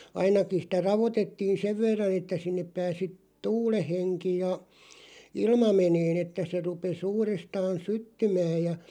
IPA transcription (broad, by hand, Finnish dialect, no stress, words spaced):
ɑinɑkin̞ sĭtæ rɑʋotetːiːn̞ seʋ ʋerːɑn etːæ sinːep pæːsi tuːleh̆ heŋki jɑ ilmɑ meneːn etːæ se rupes uːrestɑːn sytːymæːj̆ jɑ